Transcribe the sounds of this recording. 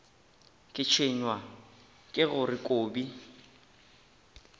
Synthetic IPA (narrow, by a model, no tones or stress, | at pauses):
kʼɪt͡ʃʰeɲwa | kʼɪɣʊrɪkʼoːbi